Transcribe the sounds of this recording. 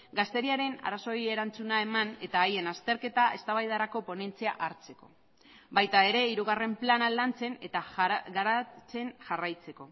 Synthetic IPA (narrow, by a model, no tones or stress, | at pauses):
ɡast̪e̞ɾiaɾe̞na̰ɾaso̞ie̞ɾant͡sunaemane̞t̪aːje̞nast̪e̞ɾke̞t̪ae̞st̪aβ̞ajð̞aɾako̞po̞ne̞nt͡siaʔaɾt͡se̞ko̞̰ | bajt̪ae̞ɾe̞iɾuɣ̞are̞mplanalant͡se̞ne̞t̪aɡaɾat͡se̞nʝarajt͡se̞ko̞